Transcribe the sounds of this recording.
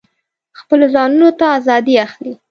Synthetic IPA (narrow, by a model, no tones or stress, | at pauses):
xpəlozɑnunot̪aːzɑd̪iaxli